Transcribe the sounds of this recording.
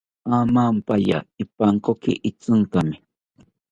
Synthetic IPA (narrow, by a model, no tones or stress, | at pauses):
amampaja̰ɪpaŋkokɪ̰ʔɪt͡sɨnk̪amɪ